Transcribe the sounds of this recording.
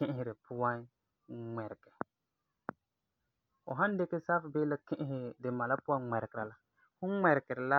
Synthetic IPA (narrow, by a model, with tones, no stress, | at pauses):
ɪ̃˦ʔɦɪ˨ɾɪ˨pʊ˦wa˦n˦ | ŋ͡mɛ˨ɾkɛ˨ | ɔ̰˨ɦa˦n˦de˦ke˦sa˦fbe˦la˦kɪ̃˦ʔɦɪ˨dɪ˨ma˨la˦pʊ˦a˦ŋ͡mɛ˨ɾkɪ˨ɾa˨la˨ | hʊ˦mɛ˨ɾkɛ˨ɾɪ˨la˦